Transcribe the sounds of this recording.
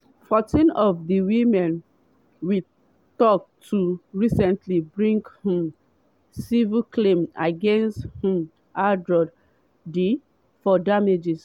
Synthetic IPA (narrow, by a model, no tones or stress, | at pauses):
fɔtĩnɔvðiwimɛ̃n | wi | tɔk̚tʰuɹisɛ̃ntʰlibɹĩŋɡhũ | siviklẽmaɡɛ̃nsthũ | ʔadɹɔd | di | fɔdamed͡ʒis